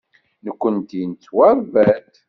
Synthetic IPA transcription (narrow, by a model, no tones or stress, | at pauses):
nəkʷːənt̪int͡sːwæɾvæt̪